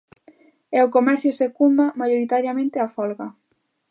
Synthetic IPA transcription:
ɛʊkomɛɾθjʊsekund̪amajoɾit̪aɾjamẽnt̪ɪafɔlɣa

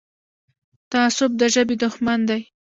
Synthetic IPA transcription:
t̪aːsʊb̚d̪əʒəbed̪ʊxmand̪aj

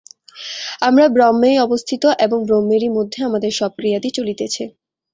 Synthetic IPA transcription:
amɾabɾɔmːejɔbost̪ʰit̪oʔeboŋbɾomːeɾimod̪ʱːeamad̪eɾʃɔb̚kɾijad̪it͡ɕolit̪et͡ɕʰi

